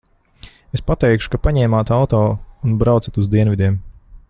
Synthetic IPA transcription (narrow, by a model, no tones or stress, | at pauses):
espat̪ɛjkʃu̥kapaɲɛːmaːt̪awt̪ɔːunbɾawt̪sat̪uzd̪iɛnvid̪ʲiɛm